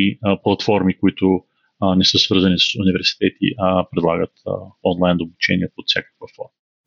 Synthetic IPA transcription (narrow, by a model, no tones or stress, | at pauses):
iplˠɐt̪fɔɾmikʊit̪ʊ | nɛsɤsvɤɾzɐnisə̥sunivɛɾsi̥t̪ɛt̪ḭʔpɾɛd̪lˠaɡət̪ɔnlˠajnd̪obut͡ʃɛ̰nʲiɛpot̪sʲjakə̥kvəfɔ